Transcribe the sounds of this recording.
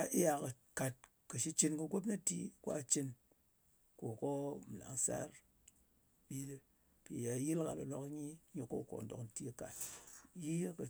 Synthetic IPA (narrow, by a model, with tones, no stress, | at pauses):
a˦˨ʔi˦ja˨kə˨ | ka˨t̚ | kə˨ʃi˦t͡ʃi˦nkə˨ɡʷo˦p̬na˦tḭ˦kʷa̰˦t͡ʃi˦n | ko˨ko˦m̩˨la̰˨ŋsa̰˦ɾ | ɓi˦le˦ | pi˨ja˨ji˦lka̰˨lo̰˨no˨kɲi˦ɲi˨ko̰˦˨ko̰˨n˨do˨kn˨ti˦ka˨tji˦kə˨